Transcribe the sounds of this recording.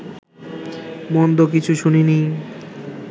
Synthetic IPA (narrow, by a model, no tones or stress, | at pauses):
mond̪ok̬it͡ɕʰuʃunini